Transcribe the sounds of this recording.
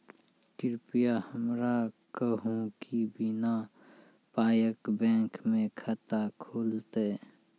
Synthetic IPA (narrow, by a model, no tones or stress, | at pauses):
kɪɾpijahəmɾakəɦũkibina | paːjəkbɛ̃ːkmẽkʰət̪akʰoːlt̪e